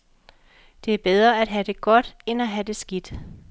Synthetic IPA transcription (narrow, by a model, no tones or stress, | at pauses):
d̥e̝æɐb̥eð̞ˠʁɐæd̥ɦæd̥e̝ɡ̥ɒ̽d̥enæɦæd̥e̝sɡ̥id̥